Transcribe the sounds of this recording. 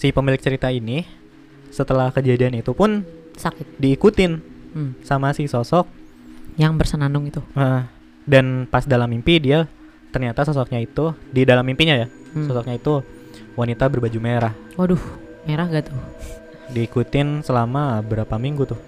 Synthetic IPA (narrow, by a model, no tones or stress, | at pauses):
sipəmilɪk̚t͡ʃəɾit̪aini | sət̪əlahkəd͡ʒadianit̪upʊn | sakɪt̪̚diːkut̪ɪnsamasisosɔk̚ | jaŋbərsənanʊŋit̪uə | danpasdalamːimpidia | t̪ərɲat̪asɔsɔk̚ɲait̪udidalamːimpiɲaja | sɔsɔk̚ɲait̪u | wanit̪abərbad͡ʒumeɾah | odʊh | meɾahɡat̪ʊ | diːkut̪ɪnsəlamabəɾapamiŋɡut̪ʊh